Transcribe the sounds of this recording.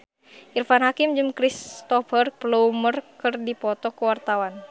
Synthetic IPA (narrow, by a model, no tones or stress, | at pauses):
ʔirfanɦakimd͡ʒɨmkɾist̪ɔfərk̚ploumərkɨrdipɔt̪ɔkuwart̪awan